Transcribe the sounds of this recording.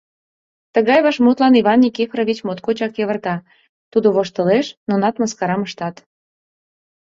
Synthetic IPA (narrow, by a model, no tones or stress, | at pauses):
t̪əɣɑjβɑʃmut̪lɑniβɑnːʲikifroβit͡ɕmot̪̚kot͡ɕɑkjeβə̆rt̪ɑ | t̪ud̪oβoʃt̪əleʃnonɑt̪məskɑɾɑməʃt̪ɑt̪